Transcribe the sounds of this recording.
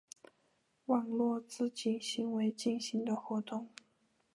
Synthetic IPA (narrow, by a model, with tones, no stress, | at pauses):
wɑ˨˩ŋlwɔ˥˧t͡sɹ̩˥˧t͡ɕi˨˩nɕi˧˥ŋwe˧˥ɪt͡ɕi˥˩nɕi˧˥ŋd̪ə˨xwɔ˧˥t̪ʊ˥˩ŋ